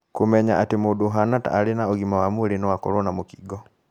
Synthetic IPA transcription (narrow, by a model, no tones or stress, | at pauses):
komɛɲaʔatemodoɦanata̰ːɾenaoɣimawamweɾenɔwakɔ̰ɾɔnamokiɡɔ